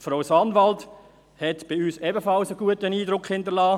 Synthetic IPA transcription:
fɾoʊsɑnvalt | hɛtb̥ɪyːsɛbəfɑlsəɡuətəniːdɾʊkχhɪndəlaː

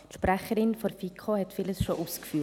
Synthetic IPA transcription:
ʃpɾæχəɾɪnfoɾfikʰχohɛtfiləsʃoʔuːskfyː

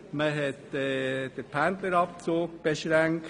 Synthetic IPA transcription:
məɦɛtɛd̥əɾpʰændləɾɑp̚t͡soːk̚b̥eʃɾæŋk

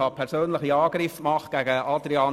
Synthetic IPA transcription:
ɑpʰɛɾsøːnlɪχiɑːɡ̥ɾɪfmɑχɡ̥æɡəʔɑd̪ɾiɑn

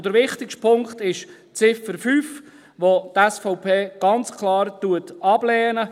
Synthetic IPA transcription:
d̥əɾʋɪχtɪkʃtpʰʊŋktɪʃ | t͡sɪfəɾfyːf | ʋotɛsfɔʊpʰeːɡ̥ɑnt͡skʰlɑːɾtuətɑb̥lɛːnə

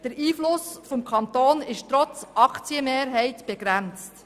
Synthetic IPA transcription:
d̥əɾiːflʊsfɔmkʰɑnt̪oːnɪʃtɾɔt͡sʔɑkt͡siəmeːɾɦɛɪtb̥eɡ̥ɾænt͡st

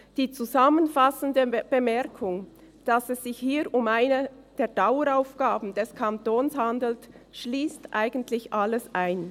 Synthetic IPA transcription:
d̥iːt͡suzamənfasən̩dəb̥əmɛɐkʰʊŋ | d̥ɑsɛsz̥ɪçhiːɾʊmaɪnə | d̥eːɐdaʊəɾaʊfɡ̥aːbn̩d̥ɛskʰantoːnshandl̩tʃliːstʔaɪɡən̩tlɪçʔaləsʔaɪn

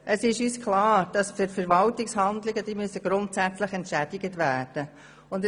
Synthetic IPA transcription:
ʔəsɪʃyːskʰlɑːɾd̥ɑsfʏɾfəɾʋɑltɪkshɑnd̪lɪɡəd̥iːmyəsəɡ̥ɾʊntsæt͡sləχɛntʃæd̥ɪɡətʋæːd̥ə | ʊnd

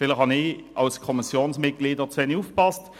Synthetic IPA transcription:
pɪlːəʁhɑniːɑʉskʰɔmɪsjuːnsmɪɡ̪̚ɡliːd̪əʁt̪ʰʋenɪʊfbɑst̪

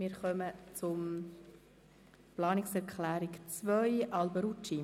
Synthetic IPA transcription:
mɪːɾχœmət͡sʊm | plɑːnɪksɛɾkʰlæːɾikt͡svœjʔɑlbəɾut͡ʃi

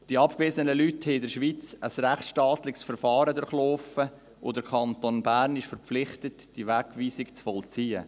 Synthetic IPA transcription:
d̥iɑpkveːzənəlythɛɪdəɾʃʋiːt͡səsrɛχt͡sʃtɑːt̪lɪksfəɾfɑːɾədʊɾχlofə | ʔʊ̰dəɾkʰɑntonbæːɾnɪʃfəɾp͡flɪχtətd̥iʋækʋiːsɪkt͡sfɔlt͡siːə̰

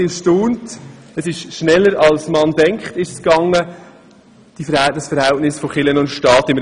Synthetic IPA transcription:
ɪʃtoːnt | əsɪʃʃnɛlːəɾɑlsmɑnd̥ɛŋkχtɪʃəskɑŋːə | d̥ifəɾhɛdəsfəɾhɛltnɪsfoχɪlənʊntʃtɑːtɪmə

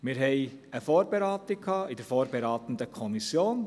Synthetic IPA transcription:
mɪːɾɦɛɪ | əfoːɾbeɾaːtɪkʰɑːɪd̥əɾfoːɾbeɾɑːt̪ən̩dəkʰɔmisjoːn

